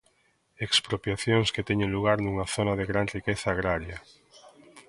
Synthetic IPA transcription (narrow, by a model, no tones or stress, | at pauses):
ekspɾopjaθjoŋsket̪ɛɲẽŋluɣ̞aɾnuŋaθonaðeɣɾanrikeθaːɣ̞ɾaɾja